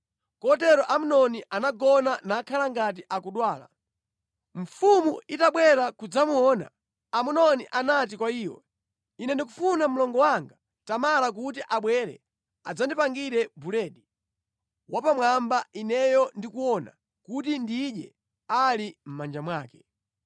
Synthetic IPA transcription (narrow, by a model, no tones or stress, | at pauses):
kɔtɛɾɔʔamunɔniʔanaɡɔnanaːkʰalaŋɡat̬iʔakuɗwaːla̰ | ɱ̩fumuitaɓwɛɾakud͡zamuɔːna̰ | amunɔniʔanat̬ikwaiːwɔ̰ | inɛndikufunam̩lɔŋɡɔwaŋɡa | tamalak̬ut̬iʔaɓwɛɾɛ̰ | ad͡zandipaŋɡiɾɛbulɛːɗi | wapamwambainɛjɔndikuwɔna̰ | kutindiɗjɛ̰ | alim̩mand͡ʒamwaːkɛ̥